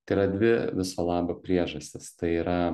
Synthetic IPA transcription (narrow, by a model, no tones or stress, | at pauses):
t̪ɐɪiɾɐdʲʋʲɪʋʲɪsoːlˠɑːbɐpʲɾʲiɛʒɐsʲt̪ʲɪst̪ɐɪiːɾɐ